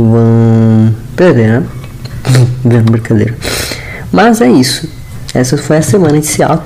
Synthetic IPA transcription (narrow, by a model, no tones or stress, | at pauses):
vɐ̃w̃ | beɾd̪eɾnɛ | bẽbeɾkad̪ḛjɾɐ | mɐzɛisʊ | ɛ̰sɐfojɐsemɐ̃nɐd͡ʒɪ̥sia̰w